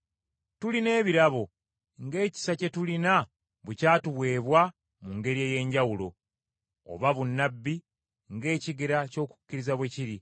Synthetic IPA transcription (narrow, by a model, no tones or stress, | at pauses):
tuline̞ːβiɾaβo̞ | ŋɡe̞ːci̥sace̞tulina | βecaːtuβwe̞ːβwa | muŋɡe̞ɾieje̞ɲɟawulo̞ | o̰βaβunːabːi | ŋɡe̞ːciɡeɾaco̞ːku̥cːiɾizaβweciɾi